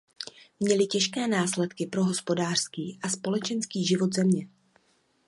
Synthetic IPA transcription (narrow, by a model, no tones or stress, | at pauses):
mɲɛlɪcɛʃkɛːnaːslɛt̪kɪpɾo̞ɦo̞spo̞daːr̝̥skiːʔaspo̞lɛt͡ʃɛnskiːʒɪvo̞t̪zɛmɲɛ